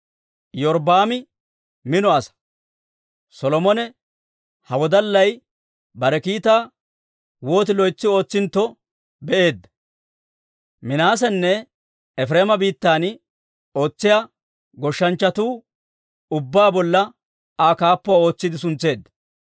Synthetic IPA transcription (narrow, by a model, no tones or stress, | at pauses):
jɔɾbaːmɪ | mɪnɔɐsɐ̥ | sɔlɔmɔnɛ | hɐwɔd̪ɐlːɐj | bɐɾɛkiːt̪aː | wo̞ːt̪ɪlɔjt͡sːɪo̞ːt͡sːɪnt̪ːɔ | bɛʔe̞ːd̪ːɐ̥ | mɪnaːsɛnːɛ | ɛfɾeːmɐbiːt̪ːaːn | o̞ːt͡sːɪjaː | ɡɔʃːɐnt͡ʃːɐt̪uː | ʊbːaːbɔlːɐ | aːkaːpːɔao̞ːt͡sːɪd̪ɪsʊnt͡sːe̞ːd̪ːɐ̥